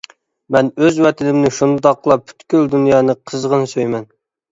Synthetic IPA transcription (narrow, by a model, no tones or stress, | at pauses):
mɛnøzwɛt̪ʰɪnɪmnɪʃund̪ɑqlˠɑpʰy̥t̪kʲyld̪unjɑːnɨqʰəzʁənɨsøjmɛn